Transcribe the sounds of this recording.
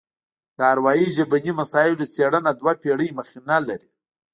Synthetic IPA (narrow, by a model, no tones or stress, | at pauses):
d̪̥əaɾwɑjiʒabanimasɑɪlot͡seɽənad̪wapeɽəjməxinalaɾi